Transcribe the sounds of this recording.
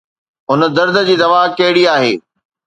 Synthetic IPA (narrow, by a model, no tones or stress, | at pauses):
ɦʊnə̆d̪ɐɾd̪ə̆d͡ʑiːd̪ɐʋaːɦkɐɦɪɽiaːɦḛː